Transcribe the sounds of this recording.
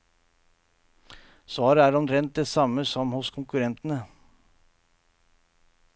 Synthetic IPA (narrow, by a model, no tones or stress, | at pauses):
sʋɑːɾəæːɾɔnɾɛnt̪̚d̪esɑməsɔmhʊskʰʊŋkʉɾɛnt̪n̩ə